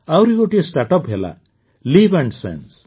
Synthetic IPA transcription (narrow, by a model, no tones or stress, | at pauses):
awɾiɡoʈiesʈaʈɔpɦela̰ | libeɳɖsḛns